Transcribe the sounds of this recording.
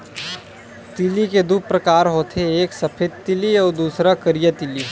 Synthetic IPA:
t̪iliked̪upɾəkaːɾɦot̪ʰeeːksəpʰed̪̚t̪iliɔːɾd̪uːsɾakəɾijət̪ili

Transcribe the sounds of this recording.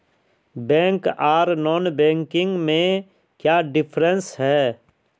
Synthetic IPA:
bɛ̃ːŋkaːɾnɔːnbɛ̃ːŋkɪ̃ŋɡmẽ | kjaːɖɪpʰɾə̃nsɦɛː

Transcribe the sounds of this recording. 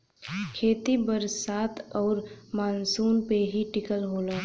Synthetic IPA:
kʰeːt̪ibəɾsaːt̪ʰɔːɾmaːnsuːnpeɦiʈɪkəlɦoːlaː

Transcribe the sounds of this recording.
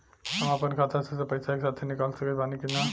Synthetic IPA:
ɦəmapənkʰat̪asesepəjsakesat̪ʰenikalsəkəbaniked͡ʒan

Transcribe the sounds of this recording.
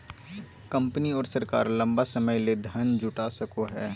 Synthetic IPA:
kɐ̃mpniɔːɾsɐɾka̰ːɾlɐ̃mbasɐməjled̪ʱənd͡ʒʊʈasɐkoɦɛː

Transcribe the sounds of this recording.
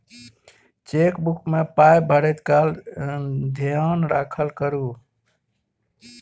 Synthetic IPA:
t͡ʃekbukmepajbʱəɽət̪kal | d̪ʱiənɾakʰəlkəɾu

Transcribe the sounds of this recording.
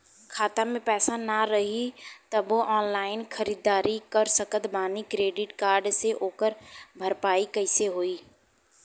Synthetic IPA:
kʰaːt̪amẽpɛːsanaɾɐɦit̪ɐboʔɔːnlaːɪnkʰəɾiːd̪aːɾikəɾsəkət̪baːnikɾeːɖɪʈkaːɾɖseʔoːkəɾbʱəɾpaːikɐɪseɦoːiː

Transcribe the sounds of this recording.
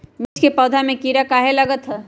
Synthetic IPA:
mɪt͡ʃkepɔːd̪ʱamẽkiːɾakaːɦelɐɡət̪ɦɛː

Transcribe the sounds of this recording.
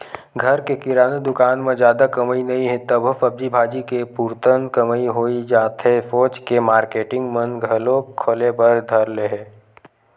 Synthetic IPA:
ɡʱɐɾkekɪɾaːned̪ʊkaːnmẽd͡ʒjaːd̪akɐməinɐɦĩɦɛ̃t̪əbʱfɐb̚d͡ʒibʱaːd͡ʒikepuɾt̪ənkəməiɦoːid͡ʒaːt̪ɦɛfoːt͡ʃkemaːɾkeːʈɪ̃ŋɡmɐ̃nɡʱɐlokʰoːlebəɾd̪ʱɐɾleɦɛː

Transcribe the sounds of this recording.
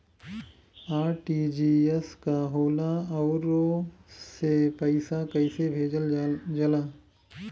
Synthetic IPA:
aːɾʈid͡ʒiːeskaɦoːlaɔːɾosepɐɪsakɐɪsebʱeːd͡ʒəld͡ʒɐlaː

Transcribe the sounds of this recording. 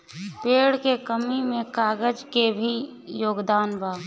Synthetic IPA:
peːɽkekəmimẽkaːɡəd͡ʒkebʱi | joːɡd̪aːnbaː

